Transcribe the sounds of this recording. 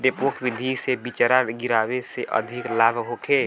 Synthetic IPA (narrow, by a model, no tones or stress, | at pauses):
ɖepokʋid̪ʱisebit͡ʃəɾaɡiɾaːweseʔə̰d̪ʱiklabʱɦokʰe